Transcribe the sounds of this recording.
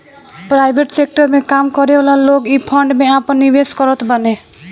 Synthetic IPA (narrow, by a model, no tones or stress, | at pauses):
pɾajbʱeʈsek̚ʈəɾmẽkamkɔɾeɔlaloɡipʰəɳɖmẽapənːiʋeskɔɾət̪bəne